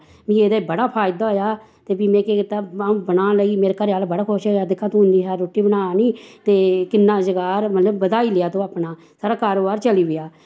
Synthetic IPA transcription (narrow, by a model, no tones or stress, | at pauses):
mĩːeːd̪aːibəɽaːpʰaːɪd̪aːɦoːjaː | t̪eːbiːmɛ̃ːkeːkɪt̪aːaũːbənãːləiːmeːɾeːkəɾaːlbəɽaːkʰoʃɦojaːd̪ɪkʰːãːt̪uɦʊnd̪iːɦaːɾoːʈiːbənaːniːt̪eːkɪnːaːzəɡaːɾmət̪ləbːəd̪aːiːleaːt̪õːaːpnaː | saːɾaːkaːɾoːbaːɾt͡ʃəliːʋɪjaː